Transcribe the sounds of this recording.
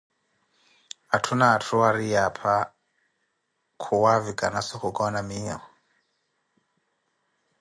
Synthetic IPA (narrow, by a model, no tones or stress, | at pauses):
atʰunaːtʰuwaɾiapʰa | kʰuwavikʼanasixukʼɔnamiːɔ̰